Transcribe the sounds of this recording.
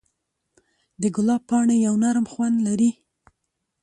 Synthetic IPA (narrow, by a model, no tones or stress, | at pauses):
d̪əɡʊlɑpɑɳejawnaɾmxwand̪laɾi